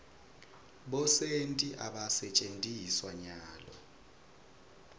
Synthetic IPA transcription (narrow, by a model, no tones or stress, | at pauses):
ɓɔsentʼiʔaɓasɛt͡ʃʼentʼiswaɲaːlɔ̰